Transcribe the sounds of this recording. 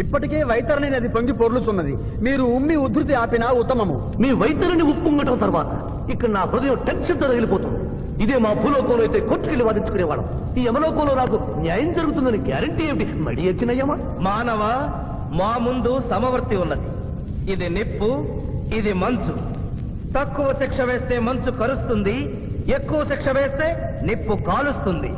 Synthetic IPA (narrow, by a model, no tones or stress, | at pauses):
ipːɐʈike̞ːʋɐjt̪ɐɾɐnɐnɐd̪ipoŋɡipoɾlut͡ʃunːɐd̪i | miːɾuumːiud̪ʱːɾut̪̬iaːpinaːut̪ːɐmɐmṵ | miːʋɐjt̪ɐɾɐniupːuŋɡɐʈɐmt̪ɐɾʋaːt̪ɐ | ikːɐɽɐnaːpɾɐd̪ɐjɐ̃mʈekʂɐd̪ːɐɾɐɡelipɔːt̪und̪ | id̪eːmaːbʱuːlɔːkɐ̃mloːjt̪eːkoʈːukeɭːiʋaːd̪it͡ʃu̥kuneːʋa̰ːɽɐ̰m | iːɛmɐlɔːkɐmloːnaːk̬u | njaːjɐmd͡ʒɐɾuɡut̪und̪ɐnikla̰ːɾɐɳʈieʋiʈimɐ̰ɽiːɐt͡ʃːinɐjːɐmɐ | maːnɐʋɐ | maːmund̪usɐmɐʋɐɾt̪ːiunːɐd̪i | id̪inepːuid̪imɐnt͡ʃu | t̪ɐkːuʋɐʃikʂɐʋeːst̪e̞ːmɐnt͡ʃukɐɾust̪und̪i | ekːuʋɐʃikʂɐʋeːst̪e̞ːnepːukaːlust̪und̪ḭ